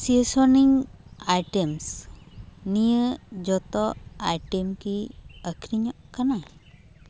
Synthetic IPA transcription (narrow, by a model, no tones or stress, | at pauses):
siesɔniŋajʈems | nijəd͡ʒɔt̪ɔʔajʈemkiəkʰɾiɲɔʔkana